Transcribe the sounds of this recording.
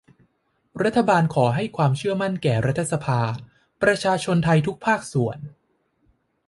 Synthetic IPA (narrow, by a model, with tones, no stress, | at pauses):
ɾa˦˥t̪ʰːa˧baː˧nkʰɔː˩˦ɦa˥˩jkʰwaː˧mt͡ɕʰɯ˥˩əma˥˩nkɛː˨˩ɾa˦˥t̪ʰːa˧sa˧pʰaː˧ | pɾa˧t͡ɕʰaː˧t͡ɕʰo˧nt̪ʰa˧jt̪ʰu˦˥k̚pʰaː˥˩k̚su˩˦ən